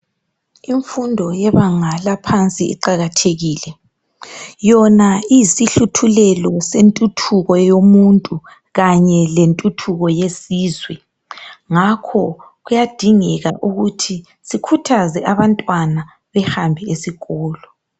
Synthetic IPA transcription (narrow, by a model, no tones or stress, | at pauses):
iɱfundʱɔjɛβaŋalapʰant͡sʼiḭǃaɣatʰeɣiːlɛ | jɔnaisiɬutʰulɛlɔsentʼutʰuɣɔjomuntʼu | ɣaɲɛlentʼutʰuɣɔjesiːzwɛ | ŋakʰɔ | ɣujad̥ʱiŋɛɣa̰ʔuɣutʰi | sikʰutʰazɛʔaβantʼwana | βɛhambʱɛesiɣɔːlɔ